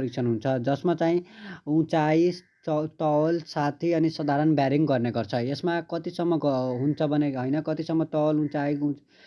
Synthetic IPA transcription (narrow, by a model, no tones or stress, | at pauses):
ɾik̚t͡sʰʌnɦunt͡sʰʌd͡zʌsmat͡saĩũt͡sai | t̪ʌwʌlsat̪ʰiʌnisʌd̪ʱaɾʌnbjaɾiŋɡɡʌrneɡʌrt͡sʰʌesmakʌt̪isʌmːʌɦunt͡sʰʌbʱʌneɦʌjnʌkʌt̪isʌmːʌt̪ʌwʌlũt͡saiu